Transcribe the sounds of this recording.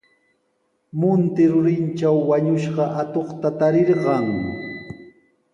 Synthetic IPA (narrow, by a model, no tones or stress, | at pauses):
mʊnt̪ɪɾʊɾɪnt͡ʃawːaɲʊʃɢɑʔat̪oχt̪at̪aɾɪɾɢɑŋ